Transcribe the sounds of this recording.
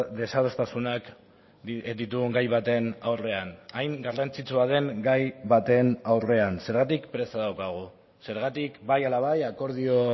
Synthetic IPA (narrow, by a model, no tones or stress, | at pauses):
d̪e̞saðost̪asunak | d̪it̪uɣuŋɡajβat̪e̞nawre̞anajŋɡarant͡sit͡suaðe̞ŋɡajβat̪e̞nawre̞anse̞ɾɣat̪ikpɾe̞saðawkaɣ̞u | se̞ɾɣat̪ikbajalaβajako̞ɾð̞io̞